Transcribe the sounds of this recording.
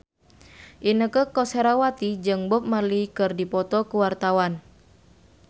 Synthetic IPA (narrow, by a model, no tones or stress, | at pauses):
ʔinəkəkɔseɾawat̪id͡ʒɨŋbɔp̚malikɨrdipɔt̪ɔkuwart̪awan